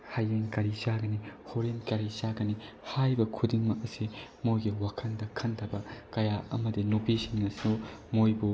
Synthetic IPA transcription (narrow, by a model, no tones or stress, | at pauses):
hajenkaɾizaɡɐnihoɾenkaɾizaɡɐni | hajbɐkʰudiŋmɐkɐsimojɡiwakʰɐndɐkʰɐntʰɐbɐkɐjaɐ̰mɐdinupisiŋːɐsinumojbu